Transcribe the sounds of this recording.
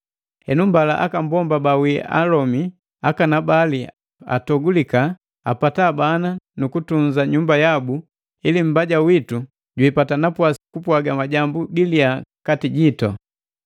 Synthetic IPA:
hɛnumbalaʔa̰kambɔmbabawia̰lɔmi | akanabali | a̰tɔɡulika | a̰patabananukutuɲzaɲumbajabu | ilim̩baɟawitu | ɟwipatanapwasi̥kupwaɡamaɟambuɡiliakatiɟitɔ

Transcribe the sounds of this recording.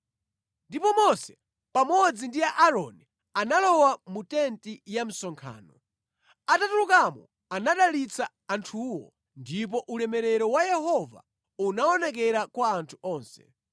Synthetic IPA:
ndipɔmɔsɛ̥ | pamɔd͡zindiaʔaɾɔni | analɔwamutɛntijam̩sɔŋkʰa̰ːnɔ | atatulukamɔ̰ | anaɗalit͡saːntʰuːwɔ̰ | ndip̬ɔʔulɛmɛɾɛɾɔwajɛhɔva̰ | unaɔnɛk̬ɛɾakwaːntʰuɔːnsɛ̥̰

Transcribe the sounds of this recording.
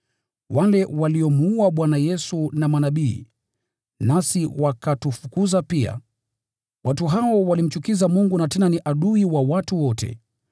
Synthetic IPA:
walɛwaliɔmuuaɓwanajɛsunamanaɓiː | nasiwakatufukuzapia̰ | watuɦaɔwalim̩t͡ʃukizamuŋɡunatɛnaniʔaɗuiwawatuwɔtʰɛ̰

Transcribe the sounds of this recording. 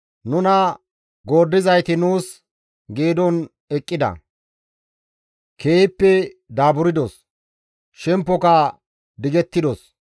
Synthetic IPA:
nʊnɐ | ɡo̞ːd̪ːɪzɐjt̪ɪnuːs | ɡeːd̪ɔn | ɛkʼːɪd̪ɐ̰ | kʰe̞ːpːɛd̪aːbʊɾɪd̪ɔs | ʃɛmpːɔkɐ | d̪ɪɡɛt̪ːɪd̪ɔs

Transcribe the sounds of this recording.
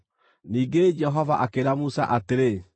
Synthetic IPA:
niːɡed͡ʒɛɦɔvaʔakeɾamusa̰ʔateɾe

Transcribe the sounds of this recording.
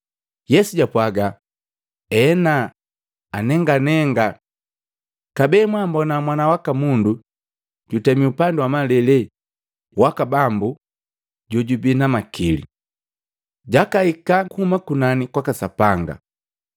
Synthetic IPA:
jɛsuɟapwaɡa | ɛna | anɛŋɡanɛŋɡa | kabɛːmwambɔnamwanawakamundu | ɟ̥utɛmiupanduwamalɛlɛ | wakabambu | ɟɔɟubinamakilḭ | ɟakaikakuhumakunanikwakasapaŋɡa̰

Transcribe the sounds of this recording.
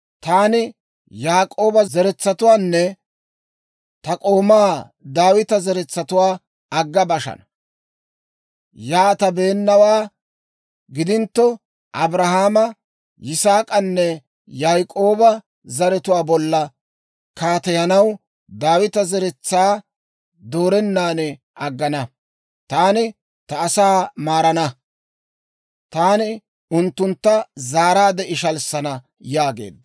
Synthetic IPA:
t̪aːnɪ | jaːkʼːo̞ːbɐzɛɾɛt͡sːɐt̪ʊwaːnːɛ | t̪ɐkʼo̞ːmaː | d̪aːwɪt̪ɐzɛɾɛt͡sːɐt̪ʊwaː | ɐɡːɐbɐʃɐ̰nɐ | jaːt̪ɐbe̞ːnːɐwaː | ɡɪd̪ɪnt̪ːɔ | ʔɐbɾɐhaːmɐ | jɪsaːkʼɐnːɛ | jaːjkʼo̞ːbɐ | zɐɾɛt̪ʊwaːbɔlːɐ | kaːt̪ɛjɐnɐw | d̪aːwɪt̪ɐzɛɾɛt͡sːaː | d̪oːɾɛnːaːnɛ | ʔɐɡːɐnɐ | t̪aːnɪ | t̪ɐːsaːmaːɾɐnɐ | t̪aːnɪ | ʊnt̪ːʊnt̪ːɐzaːɾaːd̪ɛʔɪʃɐlsɐnɐ | jaːɡḛːd̪ːɐ

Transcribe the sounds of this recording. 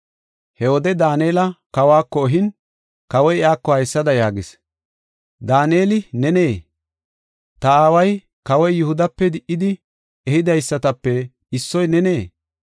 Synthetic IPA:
hɛwɔd̪ɛd̪aːneːlɐkɐwaːkːɔːɦɪn | kɐwɔjɪaːkːɔhɐjsːɐd̪ɐjaːɡɪs | d̪aːneːlɪnɛne̞ː | t̪ɐaːwɐj | kɐwɔjːʊhʊd̪ɐpːɛd̪ɪʔːɪd̪ɪ | ɛhɪd̪ɐjsːɐt̪ɐpːɛ | ɪsːɔjnɛne̞ː

